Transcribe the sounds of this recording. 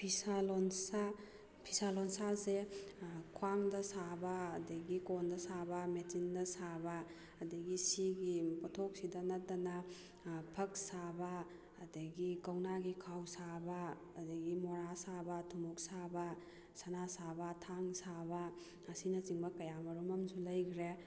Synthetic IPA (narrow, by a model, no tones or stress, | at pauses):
pʰisalɔnsa | pʰisalɔnsase | kʰwaŋdɐsabaːdɐɡikondɐsabametindɐsabaː | dɐɡisiɡipɔtʰok̚sidɐnɐt̚dɐna | pʰɐk̚sabɐː | dɐɡikɐwnaɡikʰawsabaː | dɐɡimoɾasabɐtʰumuk̚sabɐ | sanasabɐtʰaŋsabɐː | sinɐt͡ʃiŋbɐkɐjamɐɾumɐmsulɐjkʰɾe